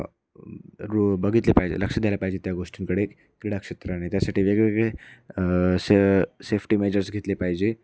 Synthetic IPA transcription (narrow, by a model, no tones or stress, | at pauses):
ɾubəɡʱit̪lepajd͡ʑḛləkʂəd̪alapaɦid͡ʑet̪jaɡoʂʈiŋkəɽeek | kɾiɽakʂet̪ɾəanat̪jasaʈiːʋeɡɭeɡɭe | sesefʰʈimed͡ʑəɾsɡʱet̪lepaɦid͡ʑe